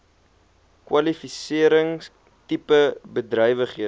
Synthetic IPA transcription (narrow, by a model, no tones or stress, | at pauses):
kwɐlifisiəɾəŋ | tipəbədrœjvəχiə